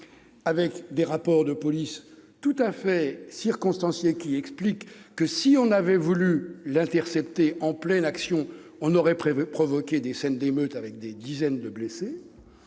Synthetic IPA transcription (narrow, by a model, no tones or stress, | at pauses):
avɛkd̪eʁapɔʁd̪əpɔlist̪ut̪afɛsiʁkɔ̃st̪ɑ̃sjekʲiɛksplikːəsiɔ̃navɛvulylɛ̃t̪ɛʁsɛpt̪eʔɑ̃plɛnaksjɔ̃ | ɔ̃nɔʁɛpχɔvɔkʲed̪esɛnd̪emøt̪avɛk̚d̪ed̪izɛnd̪əblese